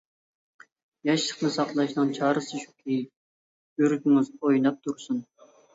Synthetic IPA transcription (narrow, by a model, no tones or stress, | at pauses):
jɑʃlˠəqnɨsɑqlˠɑʃnɨnt͡ʃʰɑːɾɨsɨʃu̥kʲʰij̚ | øɾɡʲyŋɪzojnɑp̚t̪ʰuɾsun